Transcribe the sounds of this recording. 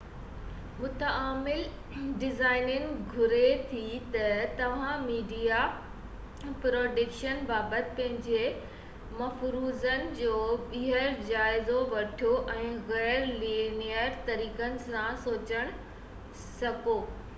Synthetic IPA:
mʊt̪aːmɪl | ɖɪzaːɪnənɪ̆ɡʱʊɾet̪ʰit̪ɐt̪ɐʋ̤ãmiːɖija | pɾoːɖɪkʃənbaːbət̪ɪ̥̆pɐ̃ɦɪ̃ɲd͡ʑe | mɐfɾuːzənɪ̆d͡ʑoːɓiɦəɾd͡ʑaːɪzoʋɐʈʰijoʔɛ̃ːɣɛːɾliːnijəɾt̪ɐɾiːkənɪ̆sãsoːt͡ɕəɽ̃ʊ | sɐkoː

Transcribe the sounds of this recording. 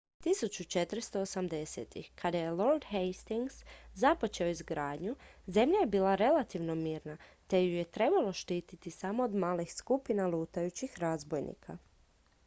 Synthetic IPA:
t̪isut͡ɕut͡ʃet̪ɾst̪o̞osamd̪e̞sḛt̪ḭxkad̪aje̞lˠo̞ɾd̪xejst̪iŋɡszapo̞t͡ʃe̞oizɡɾaːd̪ɲuze̞mʎajebiːlˠaɾe̞lˠat̪iʋno̞miːɾnat̪e̞juje̞t̪ɾe̞balˠoʃt̪iːt̪it̪isamo̞ːd̪maːlixskupinalˠuːt̪ajut͡ɕixɾazbojnḭkʰa

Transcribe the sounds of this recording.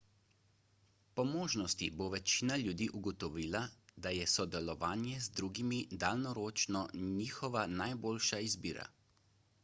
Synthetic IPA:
pɔmoːʒnɔst̪iboʋɛt͡ʃiːnalʲjud̪iːʔuɡɔt̪ɔʋiːlad̪ajɛsɔd̪ɛlɔʋaːnjɛzd̪ɾuːɡimid̪aːlnɔɾoːt͡ʃnɔniːxɔʋanajboːlʃaizbiːɾa̰

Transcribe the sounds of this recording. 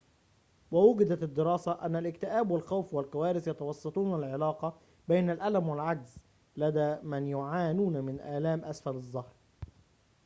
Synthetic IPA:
wawʊɡɪd̪at̪ɪd̪ːɪɾɑːsaʔa̰nːalɪkt̪ɪʔæːbwalxawfwalkawæːɾɪsjɑt̪ɑwɑsˤːɑt̪ˤuːnalʕɪlɑːqɑ | bejnalʔalamwalʕaɡz | lad̪æːmanjʊʕaːnuːnmɪnʔaːlæːmʔasfalɨzˤːɑhɾˤ

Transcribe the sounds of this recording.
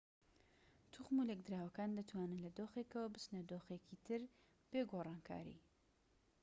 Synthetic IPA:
t̪ʰuχmulek̚d̪ɾaːwɐkaːnd̪ɨt̪ʰwaːnɨnlɐd̪oːxekəwɐbɨsnɐd̪oːxekit̪ʰɨɾ | b̥eːɡoːrˤɑːnkʰa̰ːɾḭː

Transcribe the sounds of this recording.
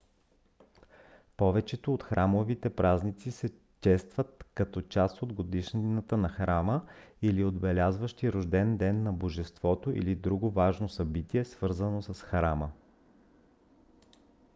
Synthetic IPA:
pɔvɛt͡ʃɛt̪oːt̪xɾʔamovit̪ɛpɾʔaznit̪sisɛ | t͡ʃɛst̪vət̪̚kɐt̪ɔt͡ʃast̪od̪ɡod̪iʃnət̪ənɐxɾaməiliod̪bɛlʲazvəʃt̪iɾoʒd̪ɛnd̪ɛnːɐboʒɛst̪v̥ɔt̪oʔḭlid̪ɾuɡovaʒnosɐbit̪iɛsv̥ɤɾzənosɐsxɾamə

